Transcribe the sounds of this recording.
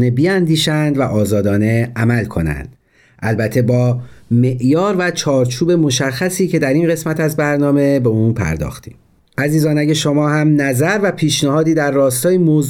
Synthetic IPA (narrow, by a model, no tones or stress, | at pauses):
nebiænd̪iːʃænd̪væʔɒːzɒːd̪ɒːne̞æmælkʰo̞næ̰nd̪̥ | ʔælbæt̪ʰːe̞bɒːme̞ʔjɒːɾvæt͡ʃʰɒːɾt͡ʃʰuːbe̞mo̞ʃæxːæsiːcʰe̞d̪æɾinɢe̞smæt̪ʰæzbæɾnɒːme̞be̞uːnpʰæ̰ɾd̪ɒ̰ːxt̪ʰi̥̰ːm | ʔæziːzɒːnæɟeʃomɒːhæmnæzæɾvæpʰiːʃnæhɒːd̪iːd̪æɾːɒːst̪ɒːjemoz